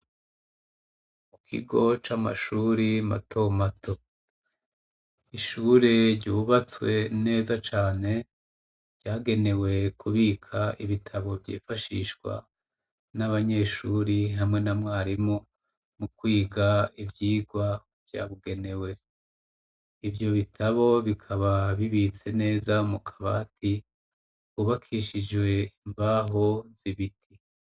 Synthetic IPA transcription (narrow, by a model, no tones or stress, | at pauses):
mukʰḭɡo̞t͡ʃama̰ʃuːɾima̰tʰo̞matʰo̞ | iʃuɾeɾɟuβat͡swe̞ne̞ːzat͡ʃaːne̞ | ɾɟaːɡe̞ne̞we̞kʰuβikʰaʔḭβitʰaβo̞vɟḭːfaʃḭːʃɡwa̰ | naβaɲe̞ːʃuːɾiɦamŋe̞namŋaːɾimo | mukwiːɡaivjiːɡwa | vja̰ːβuɡe̞ne̞we̞ | ivjo̞βitʰaβo̞βikʰaβaβiβit͡se̞ne̞ːzaumukʰḁβa̰ːti | uβakʰiʃid͡ʒwe̞imbaɦo̞z̥iβitʰi